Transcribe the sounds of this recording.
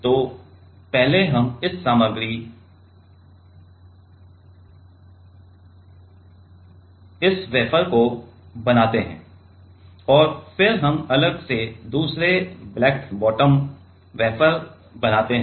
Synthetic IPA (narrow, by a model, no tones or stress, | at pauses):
t̪oː | pɛɦleɦɐmɪsːaːməɡɾi | ɪsʋɛːpəɾkobɐnaːt̪eɦɛ̰̃ː | ɔːɾfɪɾɦɐmɐləɡsed̪uːsɾeblɛːkbɔːʈəm | ʋɛːpəɾ | bɐnaːt̪eɦ